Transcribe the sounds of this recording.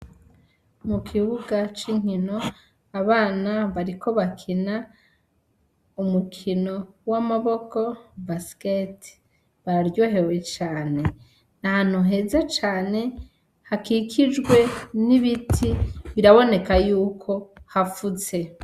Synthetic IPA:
mukʰiβuɡat͡ʃiŋ̥hino̞ | aβaːnaβaɾikʰo̞βakʰina | umukʰino̞wamaβo̞ko̞basket | βaɾaɾjo̞ɦe̞we̞t͡ʃaːne̞ | nahan̥huɦe̞ːzat͡ʃaːne̞ | hakikʰid͡ʒɡwe̞niβitʰiβiɾaβo̞ne̞kajuːkʰo̞hafuze̞

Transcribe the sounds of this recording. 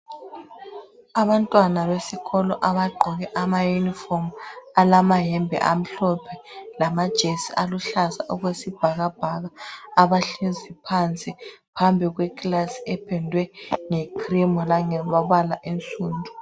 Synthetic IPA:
aβantʼwanalesiɣɔlɔʔaβaɡ͡ǃʱɔɣɛʔamajunifɔmalamaɦɛmbʱɛ̰ʔam̩ɬɔpʰɛlamad̥ʒ̥ʱesiʔaluɬasaʔɔɣwesib̥ʱaɣab̥ʱaɣaːβaɬizipʰant͡sʼipʰambʱiɣwɛkʼlasi̥ɛpʰɛndʱwɛŋɛkʰrimɔlaŋɛβaβalaʔent͡sʼuːndʱu

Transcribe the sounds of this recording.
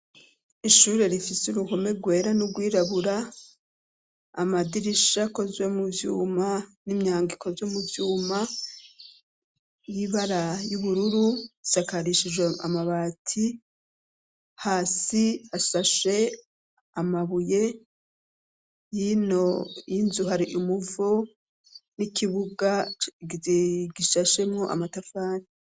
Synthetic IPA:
iʃuːɾe̞ɾifisuɾuko̞me̞ɡwe̞ːɾanuɡwiːɾaβuɾa | madiɾiʃako̞zwe̞muvjuːmanimɲaːŋɡiko̞zwemuvjuːma | jiβaɾajuβuɾuɾuisakaɾiʃid͡ʒwea̰maβaːtʰi | haːsiasaʃe̞ | amaβuje̞ | jino̞inzuɦaɾiʔimuvo | nikʰiβuɡaɡɡiʃaʃe̞mŋoʔa̰matafaːni

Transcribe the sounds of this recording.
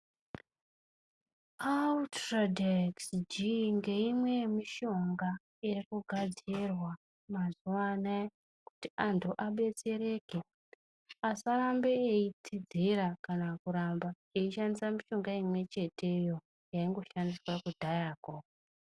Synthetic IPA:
atradeksd͡ʒiŋɡe̞imwe̞miʃo̞ŋɡa | irikuɡʱad͡zirwa | mazuana | kutiʔantʰuʔaɓe̞t͡se̞ɾe̞ːke | asaɾambeːit͡sʰid͡zeɾakanakuɾamba | eiʃandisamiʃo̞ŋɡaimwe̞t͡ʃe̞te̞jo̞ | jaiŋɡo̞ʃandiswakudʱajaːko

